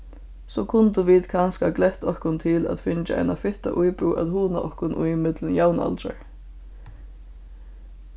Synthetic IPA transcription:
sɔːkʰʊnt̪əʋiːt̪kʰanskaklɛht̪ɔhkʊnt̪ʰɪlæ̰ðfɪnt͡ʃaʔa̰jnafɪht̪a̰ʔujpɾuːʔaðhuːnaʔɔhkʊnʔʊ̰jɪmɪt̪lənjawna̰lt͡ʃa̰ɹ

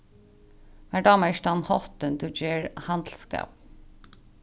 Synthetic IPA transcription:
mæɖɑːməʃt̪ɑnhɔt̪ənd̪ʉd͡ʒeːɹhɑnd̪l̩skɑ̰ːp

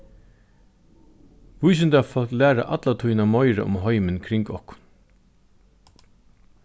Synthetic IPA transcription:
ʋʊjs̬ɪnt̪afɔlklæːɾa̰ʔa̰t̪lat̪ʰujnamɔjɾa̰ʔʊ̰mɦɔjmɪnkʰɾɪŋkɔhkʊ̥n

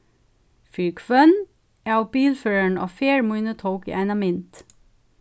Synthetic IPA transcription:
fyːkfœn | æːʊbiːlføːɹəɳo̰ːfeːɹmuːnət̪ʰoʊkḭʔænɑmɪnt̪

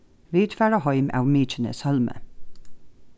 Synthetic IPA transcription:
ʋiːt̪fæːɹɑhɔʏmʔa̰wmiːt͡ʃənə̰shœlmə̰

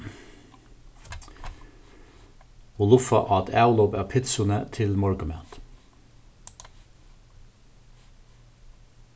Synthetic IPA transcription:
ʊlʊfɑ̰ʔɑt̪ʰæːʊlɔːpæːpʰɪt̪sʊnət̪ʰɪlmɔɹɡəmḛːt̪

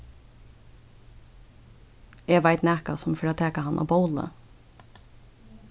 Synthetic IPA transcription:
eːʋaɪt̪næːkasʊmfɔɾɑːt̪ʰɛːkahɑnʔa̰ːboʊlə̰

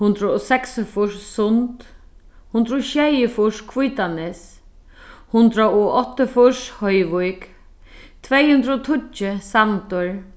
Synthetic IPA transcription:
hʊnd̪ɾəɔsɛksɪfʊʂsʊnt̪ | hʊnd̪ɾəɔʃɛjɪfʊʂkʰvujt̪anɪs | hʊnd̪ɾaʊʔɔt̪ːəfʊʂhɔjʋʊjk | t̪ʰvɛjhʊnd̪ɾəɔt̪ʰʊt͡ʃːɪsamt̪ʊɹ

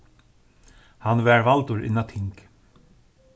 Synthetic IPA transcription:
hanʋɛːɹvalt̪ʊɹʔɪ̰nːat̪ʰɪŋk

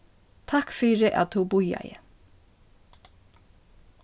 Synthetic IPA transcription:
t̪ʰakfyːɹəʔa̰t̪θubʊja̰jə̰

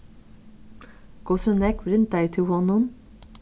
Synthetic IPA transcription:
ɡ̥ɔsənɛkɾɪnt̪̚d̪æɪt̪ʰɪlhɔnʊm

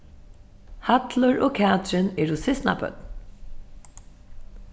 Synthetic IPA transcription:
hat̪lʊɹoːkʰæːt̪ɹɪnɛːɹʊsɪsna̰pœ̰t̪n

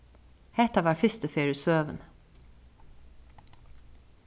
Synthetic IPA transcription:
hɛt̪ɑʋɑːɾɹfʏst̪əfeːɹʉsøːʋən

